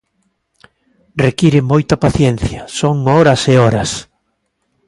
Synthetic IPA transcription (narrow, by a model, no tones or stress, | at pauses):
rekiɾɪmojt̪ɐpaθjɛn̟θjɐsoŋɔɾɐseɔɾɐs